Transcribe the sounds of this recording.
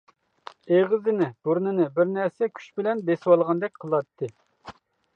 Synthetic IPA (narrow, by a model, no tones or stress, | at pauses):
eʁɨzɪnɪb̥uɾnɪnɪbɪɾnɛɾsɛkʲʰy̥ʃbɪlɛnbeswɑlˠʁɑnd̪ɛk̚ʲqʰəlˠɑt̪ʰːɨ